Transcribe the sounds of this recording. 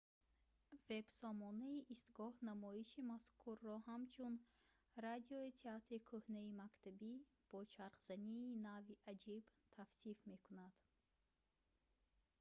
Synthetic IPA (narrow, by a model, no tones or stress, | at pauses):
ve̞bsɔmɔnaiʔist̪ɡɔhnamɔiʃimaskʰuɾːɔɦamt͡ʃʰun | ɾad̪iɔit̪ʰeat̪ɾikʰuhneimakt̪ʰabi | b̥ɔt͡ʃʰaɾqz̥aniːnaviʔad͡ʒibt̪ʰafsifmekunad̪̥